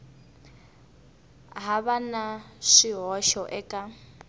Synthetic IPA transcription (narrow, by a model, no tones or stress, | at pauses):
ɦaβanaʂiɦɔʃɔʔɛkʼa